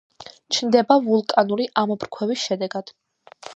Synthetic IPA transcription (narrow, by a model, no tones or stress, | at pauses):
t͡ʃʰnd̪ɛbavulˠkʼanuɾiʔamɔbɾkʰwɛvisʃɛd̪ɛɡad̪̥